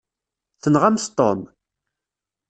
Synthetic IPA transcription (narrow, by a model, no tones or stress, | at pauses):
θənʁæmθt̪ˤːo̰m